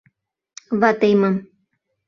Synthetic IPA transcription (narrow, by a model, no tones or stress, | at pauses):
βat̪ajmam